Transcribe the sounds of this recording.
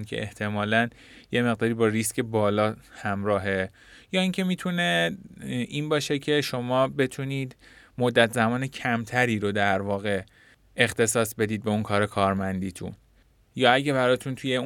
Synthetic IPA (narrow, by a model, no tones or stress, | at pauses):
nkʰḛʔḛht̪ʰe̞mɒːlæn | je̞me̞ɣd̪ɒːɾiːbɒːriscʰe̞bɒːlɒːhæmɾɒːɦe̞ | jɒːiːŋcʰe̞miːt̪ʰune̞ | ʔiːnbɒːʃe̞cʰe̞ʃo̞mɒːbe̞t̪ʰuniːd̪mod̪ːæt̪ʰzæmɒːne̞cʰæmt̪ʰæɾiːɾo̞d̪æɾvɒːɣe̞ | ext̪e̞sɒːsbe̞d̪iːd̪̚be̞unkʰɒːɾekʰɒːɾmænd̪iːt̪ʰṵn | jɒːæɟæβæɾɒːt̪ʰunt̪ʰuje